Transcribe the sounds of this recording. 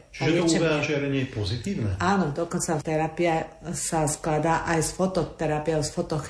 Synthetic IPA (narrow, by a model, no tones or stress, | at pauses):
t͡ʃɛɛuɛaʒɪɛɾɛɲɪɛpɔzit̪iːʊnɛ̰aːnɔd̪ɔkɔnt͡sat̪ɛɾapiɛsasklad̪aʔajsfɔt̪ɔt̪ɛɾapɪɔʊsfɔt̪ɔx